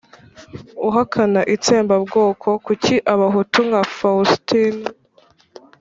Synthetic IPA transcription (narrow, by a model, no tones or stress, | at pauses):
uɦakʰanaʔit͡seːmbabɡo̞ːkʰo̞kuciʔaβaɦutuŋɡafaustin